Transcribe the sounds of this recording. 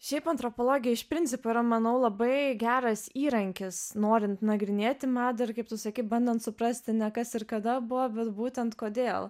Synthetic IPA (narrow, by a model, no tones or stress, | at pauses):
ʃʲɛɪpɐnt̪ɾopoːlˠoːɡʲɪjɛɪʃpʲɾʲɪnʲtt͡s̪ʲɪpoːiɾɐmɐnɐʊlˠɐbɐɪɡʲæːɾɐsiːɾɐŋʲkʲɪsnoːɾʲɪnt̪nɐɡɾʲɪnʲeːt̪ʲɪmɑːd̪ɐɪrkɐɪp̚t̪ʊsɐkʲiɪbɐnʲd̪ɛnt̪sʊpɾɐsʲt̪ʲɪnʲɛkɐsɪɾkɐd̪ɐbʊʋɐbʲɛt̪buːt̪ʲɛnt̪koːd̪ʲeːlˠ